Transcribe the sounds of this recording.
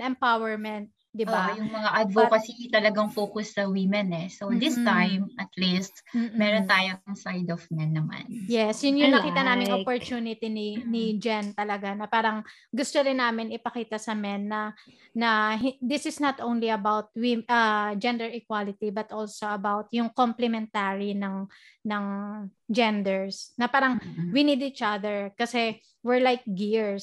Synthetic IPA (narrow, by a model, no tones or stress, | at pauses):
ɛmpawɛɹmɛnt̪̚d̪ɪbajʊŋmɐŋaʔɐd̪vokɐsit̪ɐlɐɡaŋfoːkʊsːɐwimɛnɛsod̪ɪst̪ajmʔɐt̪list̪̚m̩ːmɛːɾont̪aːjoɐŋsajd̪ɔfmɛnːɐma̰njɛsjʊnjʊŋnɐkiːt̪ɐnaːmɪŋʔopoɹt͡ʃuːnɪt̪ininɪd͡ʒant̪ɐlɐɡanɐpaːɾɐŋ | ɡʊst̪oɾɪnːaːmɪnɪpɐkiːt̪ɐsɐmɛnːɐ | nɐɦd̪ɪsɪsnɐt̪ʔownliɐbawt̪̚wiʔɐd͡ʒɛnd̪ɛɹɪkwalɪt̪ibɐt̪ʔolsoʔɐbawt̪̚jʊŋkomplɛmɛnt̪aɹinɐŋ | nɐŋ | d͡ʒɛnd̪ɛɹsnɐpaːɾɐŋwinid̪it͡ʃaðɛɹkɐsɛ | wɪɹlajk̚ɡiɹs